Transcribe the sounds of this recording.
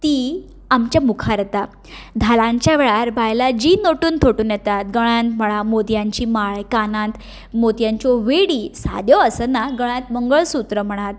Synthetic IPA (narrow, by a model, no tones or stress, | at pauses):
t̪iː | amt͡ɕjamukʰaɾt̪a | d̪ʱalãɲt͡ɕjaʋeɭaɾbʱajlad͡ʑiːnoʈuːnt̪ʰoʈuːnjɛt̪at̪ɡəɭant̪m̤əɭamod̪jaɲt͡ɕiːmaɭkanãt̪ | mod̪jãɲt͡ɕɔʋeɽiːsa̰d̪jɔəsənaɡəɭ̃ãt̪̚məŋɡəɭsut̪ɾəm̤əɽ̃at̪̚